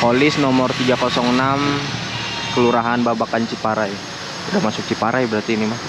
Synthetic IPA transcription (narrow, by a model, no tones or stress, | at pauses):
kolɪsnɔmɔrt̪iɡakɔsɔŋnam | kəluɾaɦanbabakaɲt͡ʃipaɾajɛ | udamasʊk̚t͡ʃipaɾajɛbəɾart̪iːnima